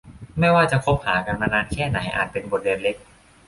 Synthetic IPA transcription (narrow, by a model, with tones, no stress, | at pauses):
ma˥˩jwaː˥˩t͡ɕa˨kʰo˦˥p̚haː˩˦ka˧nmaː˧naː˧nkʰɛː˥˩na˩˦jʔa̰ː˨˩t̪̚pe˧nbo˨˩t̪̚weː˧nle˦˥k̚